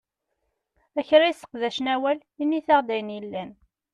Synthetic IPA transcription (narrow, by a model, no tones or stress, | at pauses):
æçɾæisə̥qðæʃnæwæl | inːiθɑʁd̪æjnjilːæn